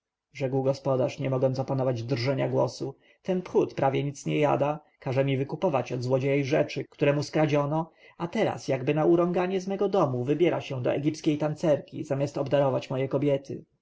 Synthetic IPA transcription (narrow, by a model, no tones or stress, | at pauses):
ʐɛɡwɡɔspɔd̪aʂɲɛmɔɡɔnt̪ɔpanɔvad͡ʑd̪ɾʐɛɲaɡwɔsu | t̪ɛnpxut̪pɾavʲjɛɲit̪sɲɛja̰d̪a | kaʐɛmʲivɘkupɔvat͡ɕɔd̪zwɔd͡ʑejɛjʐɛt͡ʂɘkt̪uɾɛmuskɾad͡ʑɔnɔ | at̪ɛɾa̰sjaɡbɘnauɾɔŋɡaɲɛzmɛɡɔd̪ɔmuvɘbʲjɛɾaɕɛ̃d̪ɔ̰ʔɛɡʲipskʲejt̪ant̪sɛɾkʲḭzamʲjast̪ɔbd̪aɾɔvat͡ɕmɔjɛkɔbʲjɛt̪ɘ̰